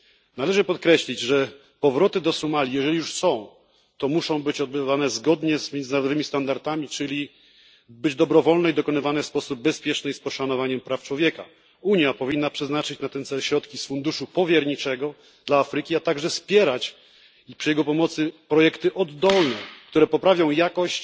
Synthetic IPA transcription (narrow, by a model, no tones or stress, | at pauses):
nalɛʐɘpɔt̪̚kɾɛɕlʲid͡ʑʐɛ | pɔvɾɔt̪ɘd̪ɔsumalʲijɛʐɛlʲijuʂsɔ̃w̃ | t̪ɔmuʂɔ̃w̃bɘt͡ɕɔd̪̚bɘvanɛzɡɔd̪ɲɛzmʲjɛnd̪naɾɔd̪ɔvɘmʲist̪and̪aɾt̪amʲit͡ʂɘlʲi | bɘd͡ʑd̪ɔbɾɔvɔlnɛid̪ɔkɔnɘvanɛfspɔsub̚ːɛspʲjɛt͡ʂnɘspɔʂanɔvaɲɛmpɾaft͡ʂwɔvʲjɛka̰ | uɲjapɔvʲinːapʂɛznat͡ʂɘt͡ɕnat̪ɛnt̪sɛlɕɾɔt̪kʲisfund̪uʂupɔvʲjɛɾɲit͡ʂɛɡɔ | d̪̥laːfɾɘkʲiat̪aɡʐɛspʲjɛɾat͡ɕ | ipʂɨjɛɡɔpɔmɔt̪sɘpɾɔjɛkt̪ɘʔɔd̪ːɔlnɛkt̪uɾɛpɔpɾavʲjɔ̃w̃jakɔɕt͡ɕ